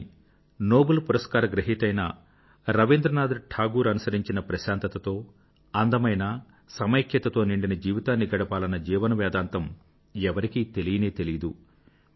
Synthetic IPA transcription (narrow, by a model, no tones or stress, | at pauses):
no̞ːbulpuɾɐskaːɾɐɡɾɐɦit̪ɐjnɐ | ɾɐʋind̪ɾɐnaːd̪ʈʰaːɡuːɾɐnusɐɾiɲt͡ʃinɐpɾɐʃaːnt̪ɐt̪ɐt̪o̞ː | ɐnd̪ɐmɐjnɐ | sɐmɐjkʰjɐt̪ɐt̪o̞ːniɳɖinɐd͡ʒiːʋit̪aːnːiɡɐɽɐpaːlɐnːɐd͡ʒiːʋɐnɐʋɛːd̪aːnt̪ɐm | ɛʋɐɾikit̪e̞lijɐneːt̪e̞lijd̪u